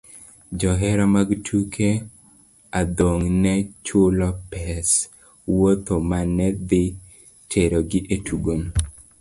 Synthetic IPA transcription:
d͡ʒɔɦɛɾamaɡtʰukʰe | ad̪oŋnɛt͡ʃʊlɔpɛs | wot̪omanːɛd̪ɪ | tʰeɾoɡɪʔetʰuɡom

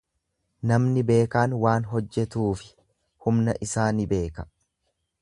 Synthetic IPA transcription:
nɐmnɪbe̞ːkaːnwaːnɦɔd͡ʒːɛt̪uːfɪ̥ | hʊmnɐʔɪsaːnɪbe̞ːkɐ̥

